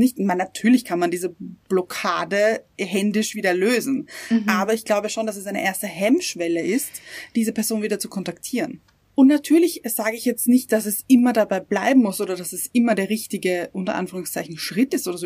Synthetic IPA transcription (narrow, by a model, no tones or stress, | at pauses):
nɪçtmanːatʰyːɐlɪçkʰanmandiːzəb̥lɔkʰaːdəɦɛndɪʃv̥iːdɐløːzn̩ʔaːbɐɪçɡ̥laʊbəʃoːndasɛsaɪnə̰ʔeːɐstəɦɛmʃv̥ɛləɪstd̥iːzəpʰɛɐzoːnviːdɐt͡su̥kʰɔntaktʰiːʁən | ʔʊntnatʰyːɐlɪçz̥aːɡəɪçjɛt͡stnɪçt̚d̥asɛsʔɪmɐdabaɪblaɪbm̩mʊsʔoːɾɐdasɛsʔɪmɐdeːɐʁɪçtɪɡəʔʊntɐ̰ʔa̰nfyːʁʊŋst͡saɪçn̩ʃʁ̥ɪtɪstʔoːɾɐzoː